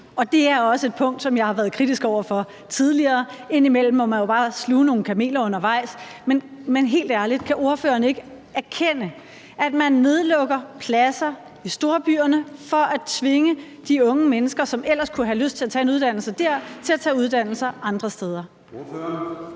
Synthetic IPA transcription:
ɒ̽d̥e̝æɐɒ̽səe̝d̥̚pʰɔ̽ŋ̰d̥sɒ̽mjɑ̈ɪhɑ̈ʋæːɐð̞ˠkʰʁid̥isɡ̥ɒʊ̰ɐfɒ̽ | t͡sʰið̞ˠliɐːe̝n̰imel̰m̩ɒmænjo̝b̥ɑ̈ːsluːno̝ːn̩kʰæme̝̰ːlɐɔ̽n̰ɐʋɑ̈ɪ̰smenmenɦe̝̰ːld̥æɐlid̥̚kʰæʔo̝ɐføːɐːnəe̝ɡ̥ə | æɐkʰen̰ə | ʔæd̥mænːe̝ð̞ˠlɔ̽ɡ̥ɐpʰlæsɐ | isd̥o̝ɐb̥y̰ːɐnəfɒ̽ʔæt͡sʰʋe̝ŋə | d̥iɔ̽ŋəmenəsɡ̥ɐsɒ̽mel̰ɐskʰuɦæløsd̥̚t͡sʰe̝læt͡sʰɛ̰ːe̝nuð̞ˠd̥æn̰l̩səd̥æɐ̰t͡sʰe̝læt͡sʰɛ̰ːuð̞ˠd̥æn̰l̩sɐʔɑ̈nd̥ʁɐsd̥eːð̞ˠɐ

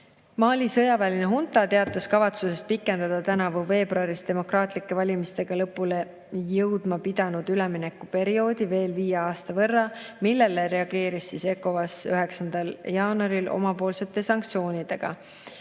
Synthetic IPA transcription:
mɑːlʲisɤjɑvæːlʲineɦunt̪ˑɑt̪e̞ɑt̪ːˑɑskɑvɑt̪suse̞st̪̚pikːˑe̞nd̪̥ɑd̪̥ɑt̪ænɑvuve̞ːb̥ɾuɑɾist̪e̞mo̞krɑːt̪ˑlikːˑe̞vɑlʲimist̪e̞ɡ̥ɑlɤpːule̞ | jɤwd̪̥mɑpid̪̥ɑnud̪̥ylɛmine̞kːupe̞ɾio̞ːd̪̥ive̞ːlviːjeɑːst̪ɑvɤ̞rːɑmilːe̞leɾe̞ɑɡ̥e̞ːɾisːise̞kːo̞vɑsyɦe̞ksɑnd̪̥ɑljɑːnɑɾilʔo̞̰mɑpo̞ːlse̞t̪ːˑe̞sɑŋk̚t̪sio̞ːnʲid̪̥e̞ɡ̥ɑ̰

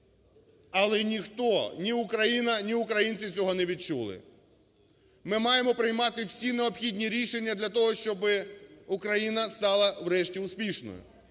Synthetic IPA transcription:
ɐlˠɛnʲixt̪ɔnʲiʊkɾɐjinɐnʲiʊkɾɐjinʲt͡sʲit͡sʲɔɦɔnɛʋʲid̚t͡ʃulˠɪ̰ | mɪmɑjemɔpɾɪjmɑt̪ɪwsʲineɔpxʲid̪ʲnʲiɾʲiʃenʲːɐd̪lʲɐt̪ɔɦɔʃt͡ʃɔbɪʊkɾɐjinɐst̪ɑlˠɐwɾɛʃtʲiʊspʲiʃnɔ̰jʊ̰

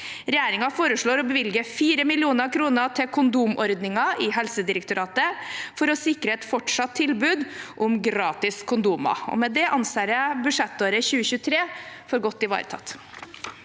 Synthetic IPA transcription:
ɾɛjeːɾɪŋɑfoːɾəʂɭoːɾɔbəʋɪlɡəfiːɾəmɪlɪuːnəɾkʰɾuːnət̪ʰɪlkʰʊnd̪uːmɔɾd̪nɪŋɑʔɪɦɛlsəd̪ɪɾəkt̪ʊɾɑːt̪əfɔɾɔsɪkɾəɛt̪fɔʈʂɑt̪ʰːɪlbʉːd̪ʔʊmɡɾɑːt̪ɪskʰʊnd̪uːmɑ̰ɔ̰mɛd̪ɛʔɑnseːɾəbʉʂɛt̪ːoːɾəçʉːəçʉːət̪ʰɾeːfɔɾɡɔt̪ːɪʋɑ̰ːɾə̰t̪ʰɑ̰t̪

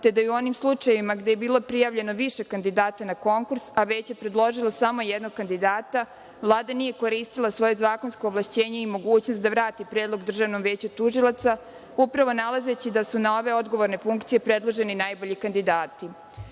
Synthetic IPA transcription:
t̪e̞d̪ajuo̞nimslˠut͡ʃajeʋimaɡd̪ejebiːlo̞pɾijaʋʎe̞no̞ʋiʃe̞kand̪id̪aːt̪anako̞ŋkuɾsaʋe̞t͡ɕje̞pɾed̪lˠo̞ʒilˠasamo̞jed̪noɡ̚kand̪id̪aːt̪a | vlˠaːd̪anije̞ko̞ɾiːst̪ilˠasʋoje̞zaːkonsko̞ːʋlˠaʃt͡ɕeːɲe̞imo̞ɡuːt͡ɕnost̪d̪aʋɾaːt̪ipɾeːd̪lˠo̞ɡd̪r̩ʒaʋno̞mʋeːt͡ɕut̪uʒilˠat̪sa | upɾaʋo̞nalˠaze̞t͡ɕid̪asunao̞ʋe̞o̞d̪ɡo̞ʋo̞ɾne̞fuŋkt̪sijepɾe̞d̪lˠoʒe̞ninajboʎikand̪id̪aːt̪i

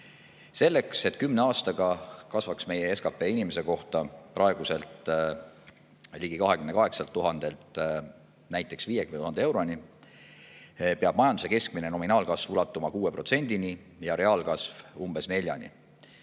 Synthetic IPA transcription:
se̞lːekse̞t̪ːˑkymneɑːst̪ɑɡ̥ɑkɑsvɑksme̞jeeskɑpːˑe̞ːinimese̞ko̞ht̪ɑprʔɑe̞ɡ̥use̞lt̪ | liɡ̥ikɑɦekymne̞kɑɦe̞ksɑlt̪ːuɦɑnd̪̥e̞lt̪ˑ | næjt̪ːˑe̞ksviːjekymnet̪uhɑnd̪ee̞wɾo̞ni | peɑb̥mɑjɑnd̪use̞ke̞sk̚mineno̞minɑːlkɑsvulɑt̪ːˑumɑkuːe̞pɾro̞t̪se̞nʲd̪̥ini | jɑɾe̞ɑːlkɑsvumb̥e̞sne̞lʲjɑ̰nḭ

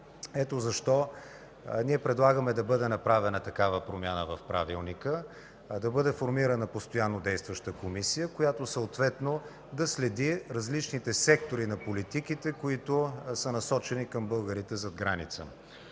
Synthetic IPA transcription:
ɛt̪ozɐʃt̪ɔ | niɛpɾɛd̪lˠaɡəmɛd̪ɐbɤd̪ɛnɐpɾavɛnət̪ɐkavəpɾomʲjanəvɐfpɾa̰vilˠnikə | d̪ɐbɤd̪ɛfoɾmiɾənɐpost̪ojanːod̪ɛjst̪vəʃt̪əkomisijəkojat̪osəot̪vɛt̪no | d̪ɐslɛd̪iɾɐzlit͡ʃnit̪ɛsɛkt̪oɾinɐpolit̪ikit̪ɛkoit̪osənɐsɔt͡ʃɛnikɐmbɤlˠɡəɾit̪ɛzɐd̪ɡɾanit̪sə̰

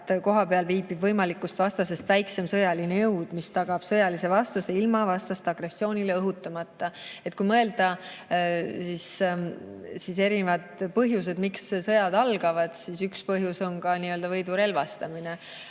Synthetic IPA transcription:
ko̞ɦɑpeɑlviːbibvɤjmɑlikːˑust̪vɑst̪ɑse̞st̪væjkse̞msɤjɑlinejɤwd̪̥mist̪ɑɡ̥ɑb̥sɤjɑlise̞vɑst̪use̞ilmɑvɑst̪ɑst̪ɑɡ̥ɾe̞sːio̞ːnʲileɤɦut̪ːˑɑmɑt̪ːɑe̞t̪̚ːˑkujmɤe̞ld̪̥ɑ | sis | sise̞ɾinevɑd̪pɤɦjus̬e̞d̪mikssɤ̞jɑd̪ɑlɡ̥ɑvɑd̪̥sisykspɤɦjuso̞nkɑniːø̞ld̪ɑvɤjd̪uɾe̞lvɑst̪ɑmine

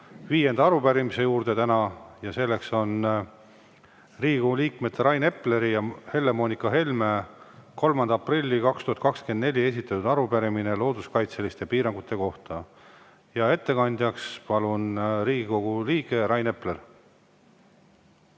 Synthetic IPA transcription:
viːje̞nd̪ɑɑɾupæɾimise̞juːrd̪̥e̞t̪ænɑjɑse̞lːe̞kso̞n | riːɡikuɡuliːkme̞t̪ːeɾɑjne̞pːˑle̞ɾijɑhe̞lːemo̞ːnikːˑɑɦe̞lmeko̞lmɑnd̪ɑɑprilʲːikɑkst̪uhɑt̪̚kɑkskend̪ne̞lʲie̞s̬ʲit̪ːˑɑt̪ːud̪ɑɾubæɾimine̞lo̞ːd̪uskɑjt̪se̞list̪epiːɾɑŋɡ̥ut̪ːˑe̞ko̞ht̪ɑ | jɑe̞t̪ːe̞kɑnʲd̪̥ʲjɑkspɑlunriːɡiko̞ɡ̥uliːke̞ɾɑjne̞pler

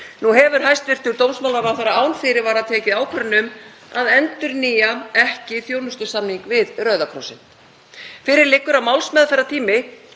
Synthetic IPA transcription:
nuɦɛvʏɾ̥hajst̪vɪr̥t̪ʏɾt̪owmsmawlaɾvaɾθaɾaaːwnfɪɾɪɾvaːɾaðt̪ʰɛːcɪðaːwkʰœɾnʏm | aðɛnt̪ʏɾniːjaɛhcɪθjoːwnʏst̪ʏsamniŋkvɪðrœːɥðakʰɾɔwsɪn | fɪɾɪɾlɪkːʏɾawmaːwlsmɛðfɛɾat̪ʰiːmɪ

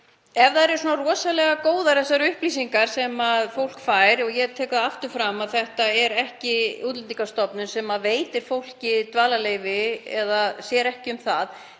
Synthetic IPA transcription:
ɛvðaðɛɾsɔːnarɔːsalɛɣakoːwðaɾθɛsːaɾʏhplisiŋkaɾ̥sɛmaðfowl̥kfaːjɾɔɣjɛɣt̪ʰɛːkðaaft̪ʏɾ̥fɾamaðθɛht̪aɛɾɛhcɪuːt̪lɛnt̪iŋkast̪ɔpnʏnsɛmaveːjt̪ɪɾ̥fowl̥cɪt̪vaːlaleːjvɪɛðasjɛːɾɛhcɪʏmθað

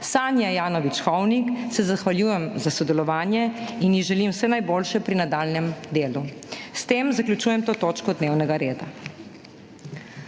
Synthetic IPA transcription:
saːnjajaːnɔʋit͡ʃxɔwniksɛzaxʋaljuːjɛmzasɔd̪ɛlɔʋaːnjɛinjiʒɛlimwsɛnajboːlʃɛpɾinad̪aːlnɛmd̪eːlust̪eːmzaklʲjut͡ʃuːjɛmt̪oːt̪oːt͡ʃkɔd̪neːwnɛɡaɾeːd̪a

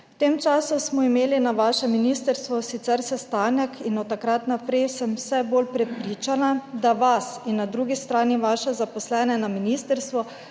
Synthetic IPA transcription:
wt̪eːmt͡ʃaːsusmɔimeːlinaʋaːʃɛminiːst̪əɾst̪ʋɔsit̪sɛɾsɛst̪aːnɛkʰinɔt̪ːakɾat̪napɾɛjsɛmwsɛboːlpɾɛpɾiːt͡ʃanad̪aʋasinːad̪ɾuːɡist̪ɾaːniʋaːʃɛzapɔslɛːnɛnaminiːst̪ɛɾst̪ʋɔ

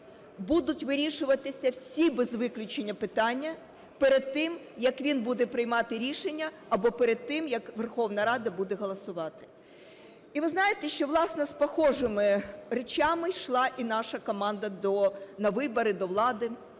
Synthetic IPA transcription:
bud̪ʊtʲʋɪɾʲiʃʊʋɐt̪ɪsʲɐwsʲibezʋɪklʲʊt͡ʃenʲːɐpɪt̪ɑnʲːɐ | peɾed̪̚t̪ɪm | jɐkʋʲinbud̪ɛpɾɪjmɑt̪ɪɾʲiʃenʲːɐ | ɐbɔpeɾed̪̚t̪ɪmjɐkʋerxɔwnɐɾɑd̪ɐbud̪ɛɦɔlˠɔsʊʋɑt̪ɪ̥ | iʋɪznɑjɪt̪ɛʃt͡ʃɔʋlˠɑsnɛspɔxɔʒɪmɪret͡ʃɑmɪʃlˠɑʔinɑʃɐkɔmɑnd̪ɐd̪ɔnɐʋɪbɔɾɪd̪ɔʋlˠɑd̪ɪ

